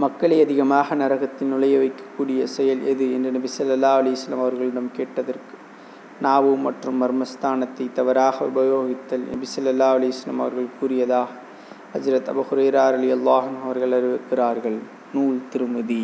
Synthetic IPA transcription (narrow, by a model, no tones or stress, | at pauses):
mɐkːɐɭɐɪɐðɪɣɐmaːɣɐnɐɾɐɣɐt̪ːɪnʊɭɐjɐʋɐɪkːɐ̥kːuːɽɪjɐsɛjɐlʔɛðɯɛ̰ndrɐnɐbɪsɐlːɐlːaːɐlɐjɐsɐlːɐmɐʋɐɾɣɐɭɪɽɐmkeːʈːɐðɐrkɯ̥ | naːʋɯmɐʈrɯmːɐɾmɐst̪ʰaːnɐt̪ːɐɪt̪ːɐʋɐɾaːɣɐʊ̰bɐjoːɣɪt̪ːɐlnɐ̰bɪsɐlːɐlːaːɐlɐjɐsɐlːɐ̰mɐ̰ʋɐɾɣɐɭkuːrɪjɐðaːɣɐ | hɐzɾɐt̪ɐ̰buxʊɾɐjɾaːɾɐðɪjɐlˠːaːɦɐnɦʊɐʋɐɾɣɐɭɐɾɪʋɪkːɪraːɾɣɐɭ | nuːɭt̪ɪɾɯmɐði